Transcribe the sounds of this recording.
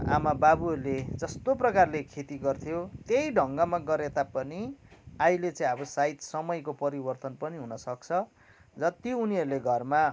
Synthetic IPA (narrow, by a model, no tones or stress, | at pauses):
a̰mababuɦʌɾuled͡zʌst̪oprʌkarlekʰet̪iɡʌrt̪ʰjot̪ejɖʱʌŋɡʌmaɡʌɾet̪apʌniailet͡saĩʌbʌsait̪sʌmʌjkopʌɾibʌrt̪ʌnpʌniɦunʌsʌk̚t͡sʰʌ | d͡zʌt̪ouniɦʌɾuleɡʱʌrma